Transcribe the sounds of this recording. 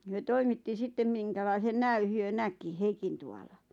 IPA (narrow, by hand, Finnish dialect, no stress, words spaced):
hyø toimitːi sitːem miŋkælɑisen næy hyø næki heikintuɑlɑ